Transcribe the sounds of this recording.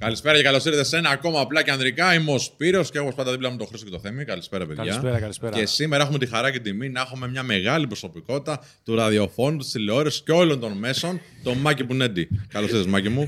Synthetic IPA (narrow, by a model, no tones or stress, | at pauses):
kɐlispe̞ɾɐcekɐlo̞siɾðese̞nɐːko̞mɐːplɐceɐnðɾikɐimo̞spiɾo̞sceɣoposɐnd̪ɐðiplɐmnt̪o̞xɾisocet̪oθe̞mikɐlispe̞ɾɐpeðʝɐce̞simeɾɐexumet̪ixɐɾɐcet̪id̪iminɐexume̞mɲɐme̞ɣɐlipɾo̞so̞piko̞t̪i̥t̪ɐ | t̪uɾɐðio̞fo̞nut̪i̥st̪ileo̞ɾesceo̞lo̞nt̪o̞nme̞so̞nt̪o̞mɐcipuined̪ikɐlosiɾðezmɐcimu